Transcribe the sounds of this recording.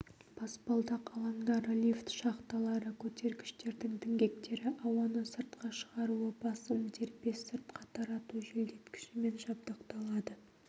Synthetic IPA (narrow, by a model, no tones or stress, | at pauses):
b̥ʰɑspɑlˠd̪ɑqʰɑlˠɑŋd̪ɑɾlʲift̪ʃɑqt̪ɑlˠɑɾəkʲʰɵt̪e̞ɾɡʲɪʃt̪e̞ɾd̪ɪŋt̪ʰɪŋɡʲe̞k̚t̪e̞ɾɪʔɑwɑnəsəɾt̪qɑʃəʁɑɾuəbɑsəmt̪ʰeɾpe̞sːəɾt̪qʰɑt̪ʰɑɾɑt̪uʒeld̪e̞t̪kʲʰɪ̥ʃɪme̞nʒɑb̚d̪əqt̪ɑlˠɑd̪ə